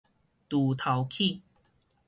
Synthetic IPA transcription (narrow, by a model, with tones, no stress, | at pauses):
t̪u˨˩t̪ʰa˨˦wkʰi˥˨